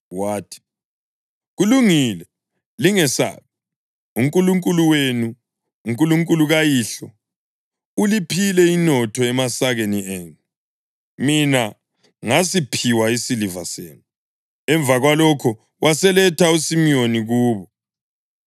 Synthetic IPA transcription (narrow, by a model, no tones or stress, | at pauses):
waːtʰi̥ | ɣuluŋilɛ | liŋɛsa̰βi | uŋkʼuluŋkʼuluwenu | uŋkʼuluŋkʼuluɣajiɬɔ | ulipʰilɛinɔtʰɔɛmasaɣenieːnu | mina | ŋasipʰiwaisilivasḛːnu | ɛɱb̪vʱaɣwalɔkʰɔ | wʔasɛlɛtʰausimoniɣuːβɔ